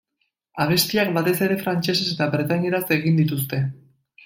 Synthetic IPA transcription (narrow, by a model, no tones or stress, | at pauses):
aβ̞e̞st̪iak̚bat̪e̞se̞ɾe̞fɾant͡ʃe̞seset̪aβɾet̪aɲe̞ɾase̞ɣ̞ind̪it̪us̬t̪e̞